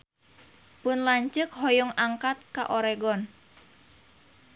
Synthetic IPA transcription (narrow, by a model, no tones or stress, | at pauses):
pʊnlaɲt͡ʃəkɦɔjʊŋaŋkat̪̚ka̰ʔoɾɛɡɔn